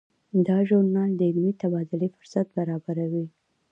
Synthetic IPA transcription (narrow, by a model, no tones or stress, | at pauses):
d̪ɑʒʊɾnɑld̪əɪlmit̪abɑd̪ʊlifʊ̥ɾsat̪̚baɾɑbaɾawi